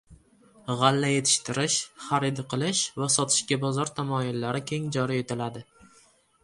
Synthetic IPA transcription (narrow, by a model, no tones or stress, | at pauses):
ʁalːaje̞t̪ʰɪ̥ʃt̪ɪɾɪʃχaɾɪd̪ɪqʰɨlˠɪʃvasɒt̪ʰɪ̥ʃɡʲabɒzɒɾt̪ʰamɒjɪlːaɾɪkʲʰe̞ŋd͡ʒɒɾije̞t̪ʰɪlad̪ɪ